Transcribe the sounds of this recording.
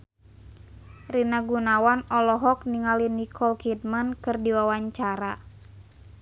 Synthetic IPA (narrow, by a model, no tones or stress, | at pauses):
rinaɡunawanɔlɔɦɔk̚niŋalinikʰɔlkit̚mankɨrdiwawaɲt͡ʃaɾa